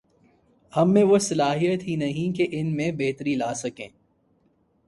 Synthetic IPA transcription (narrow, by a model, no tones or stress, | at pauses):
hɐmːẽʋosɐlaːɦijət̪ɦinɐɦĩkeʔɪnmẽbeɦt̪əɾilaːsɐkẽː